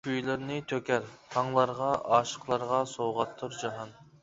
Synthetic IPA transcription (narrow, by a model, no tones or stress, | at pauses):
yjlɪɾnɪt̪ʰøkʲæɾt̪ʰɑŋlˠɑɾʁɑʔɑːʃə̥qlˠɑɾʁɑsowʁɑt̪ʰːuɾd͡ʒɑɦɑn